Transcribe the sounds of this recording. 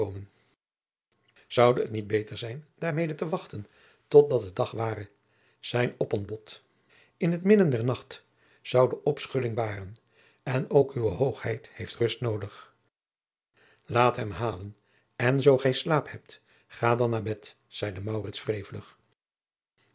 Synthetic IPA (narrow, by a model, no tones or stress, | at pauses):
owmən | z̥ʌwdəətnid̚bejtəɹzɛjnd̥aːɹmejdətəʋɑχtən | tɔt̚dɑt̚dədɑχʋaːrə | z̥ɛjnɔpɔnbɔt | ɪnɦətmɪdəndɛɹnɑχt | z̥ʌwdəʔɔpsχɵlɪŋbaːrən | ɛnowkyʋəɦowχhɛjthejftrɵstnowdəχ | laːtɦɛmɦaːlən | ɛnzowχɛjslaːphɛp̚t | χaːdɑnːaːɹbɛt | z̥ɛjdəmɑwrɪtsfrejvələχ